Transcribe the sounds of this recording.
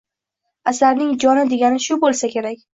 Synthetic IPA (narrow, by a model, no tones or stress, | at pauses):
asaɾnɪŋd͡ʒɒnɪd̪e̞ɡʲanɪʃʊbolˠsakʲe̞ɾakʲ